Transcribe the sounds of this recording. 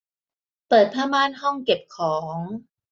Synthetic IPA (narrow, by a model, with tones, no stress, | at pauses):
pɤː˨˩t̪̚pʰaː˥˩maː˥˩˨nhɔ˥˩ŋke˨˩p̚kʰɔː˩˦ŋ